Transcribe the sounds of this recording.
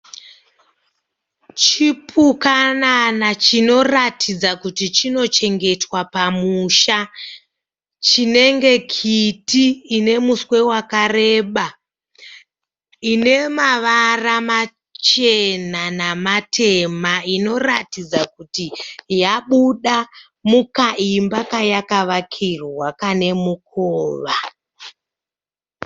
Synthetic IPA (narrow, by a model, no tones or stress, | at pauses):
t͡ʃipʰukananat͡ʃino̞ratʰid͡zakutit͡ʃino̞t͡ʃe̞ŋɡe̞twapamuʃa | t͡ʃine̞ŋɡe̞kʰitiːne̞muswe̞wakare̞ːɓa | ine̞maʋarama | t͡ʃe̞nanamatʰe̞maino̞ra̰tid͡zakutijaɓuɗa | mukaimbakajakaʋakʰirwakane̞muk̚ʰoːʋa